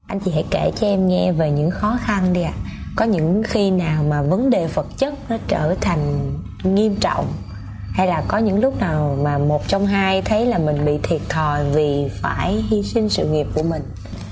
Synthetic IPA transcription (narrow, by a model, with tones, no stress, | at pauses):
ʔa˧jŋ̟t͡ɕḭ˧˩ha̰˧˩jke˧˩t͡ɕɔ˧ʔɛ˧mŋɛ˧ve˨˩ɲɨ̰˧˥ŋxɔ˨˦xa˧nɗi˧ʔa̰ː˧˨kɔ˨˦ɲɨ̰˧˥ŋxi˧naː˨˩wmaː˨˩və˨˦nɗe˨˩fə˨˩t̚t͡ɕə˦˥t̚nɔ˨˦t͡ɕəː˧˩t̪ʰa˨˩jŋ̟ | ŋi˧əmt͡ɕɔ̰˧˨wŋ͡m | ha˧jlaː˨˩kɔ˨˦ɲɨ̰˧˥ŋlʊ˦˥k͡p̚naː˨˩wmaː˨˩mo˨˩t̚t͡ɕɔ˧wŋ͡mɦaː˧jt̪ʰə˨˦jlaː˨˩mï˨˩ŋ̟ɓḭ˧˨t̪ʰi˨˩ət̚t̪ʰɔ˨˩jvi˨˩faː˧˩jɦi˧sï˧ŋsɨ̰˧˨ŋi˨˩əp̚ku˧˩əmï˨˩ŋ̟